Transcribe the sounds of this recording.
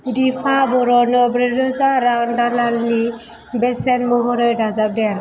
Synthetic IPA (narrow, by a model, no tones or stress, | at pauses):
dipʰabɔɾɔnɔbɾedɔzaɾaŋdalalni | bɛsɛnmɔɦɔɾɔjdazab̚dɛɾ